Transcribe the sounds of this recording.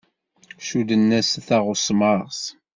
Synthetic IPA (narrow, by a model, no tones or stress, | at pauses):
ʃud̪ənːæsθæʁʊsmɑʁs